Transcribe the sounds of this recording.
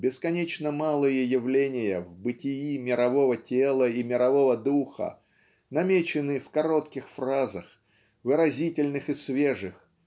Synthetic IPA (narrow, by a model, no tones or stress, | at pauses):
bʲɪskɐnʲet͡ɕnəmalˠɨjəjɪvlʲenʲɪjəvbɨtʲɪjimʲɪɾɐvo̞vətʲelˠəimʲɪɾɐvo̞vəd̪uxə̰ | nɐmʲet͡ɕɪnɨfkɐɾo̞t̪kʲɪxfrazəx | vɨɾɐzʲitʲɪlʲnɨxɨsvʲe̞ʐɨx